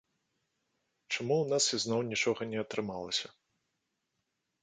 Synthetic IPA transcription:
t͡ʂamuwnasiznɔwnʲit͡ʂɔɣɐnʲɛɐt̪ɾɨmalˠɐsʲɐ

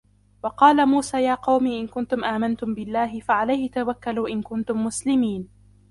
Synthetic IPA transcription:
wɑqɑːlamuːsaːjaːqɑwmiːʔɪnkʊnt̪ʊmʔaːmant̪ʊmbɪlːaːɦɪfaʕalajhɪt̪awakːaluːʔɪnkʊnt̪ʊmːʊslɪmiːn

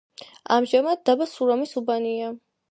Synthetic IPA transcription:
a̰mʒamad̪̚ːabasuɾamisubania

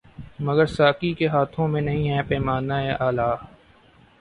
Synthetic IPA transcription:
mɐɡəɾsaːkikeɦaːt̪ʰõmẽnɐɦĩɦɛ̃ːpɛːmaːnːaeʔaːlaː

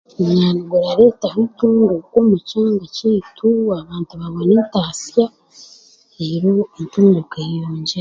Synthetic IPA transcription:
uɲaːnuɡoɾaɾetaɾintuːndukomucaːŋɡaciːtʰuaβaːntuβaβoneːntaːsija | eɾointuːndukejoːɲɟe

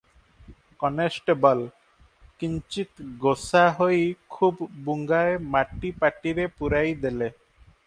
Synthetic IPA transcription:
kɔnesʈebɔl | kiɲt͡ʃit̪ɡosaɦojkʰubbuŋɡaemaʈːipaʈiɾepuɾajd̪ele

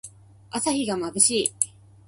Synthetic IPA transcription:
asaçiɡamabɯ̟ɕiː

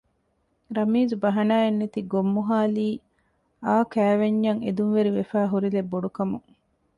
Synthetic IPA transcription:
ɾɐmiːd͡ʒubɐɦɐnaːenːet̪iɡomːuɦaːliː | aːkæːʋeɲːɐŋed̪uŋʋeɾiʋefæːɦuɾilebːoɖukɐmuŋ

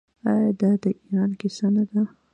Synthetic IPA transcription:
ɑjɑd̪ɑd̪əʔiɾɑnkɪsanad̪a

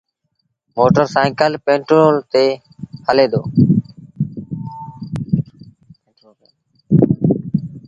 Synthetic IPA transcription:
moːʈəɾsaːɪkəlpẽːɳʈɾoːlt̪eː | həleːd̪oː

